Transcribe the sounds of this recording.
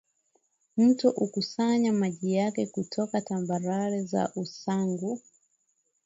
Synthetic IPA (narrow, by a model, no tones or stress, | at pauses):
m̩tɔʔukusaɲamaʄijakɛkutʰɔkatambaɾaɾɛza̰ʔusaŋɡu